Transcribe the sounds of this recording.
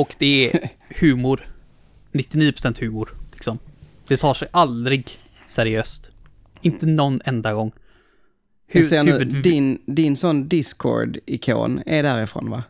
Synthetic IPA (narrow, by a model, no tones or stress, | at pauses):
ɔkd̪̥ɛæhʉ̟ːmʊɾ | nɪt̪ːɪniːəpʰɾʊ̥sɛnt̪hʉ̟ːmʊɾlɪksɔm | d̪̥ɛt̪ʰɑːʂɛjʔald̪ɾɪɡ | sæɾɪøːst̪ | ɪnt̪ənɔnːɛnd̪aɡɔŋː | heːnʉːvəd̪d̪ɪnd̪ɪnsɔnd̪ɪskʰo̰ːɾɖɪkʰo̰ːnɛɖæɾɪfɾo̰ːnva̰